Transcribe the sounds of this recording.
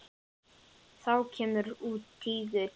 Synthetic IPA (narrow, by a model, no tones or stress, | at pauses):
θawcʰɛːmʏɾuːt̪kiːðɪ